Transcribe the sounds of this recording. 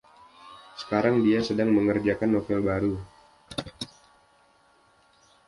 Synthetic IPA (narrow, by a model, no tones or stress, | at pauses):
sə̥kaɾaŋdiasədaŋməŋərd͡ʒakanːofɛlbaɾu